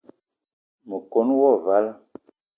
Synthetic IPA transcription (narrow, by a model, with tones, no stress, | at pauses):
mə˨ko˨˦n˦wɔ˦˨va˨˦la˦